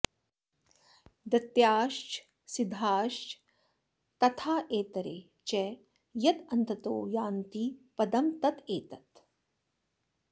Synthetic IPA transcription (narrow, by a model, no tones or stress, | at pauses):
d̪ɐt̪jaːʃt͡ʃ | sid̪ʱaːʃt͡ʃ | t̪ɐt̪ʰaːʔeːt̪ɐɾḛː | t͡ʃɛ | jɐt̪ɐnt̪ɐt̪oːjaːnt̪ipɐd̪ɐmt̪ɐt̪eːt̪ɐt̪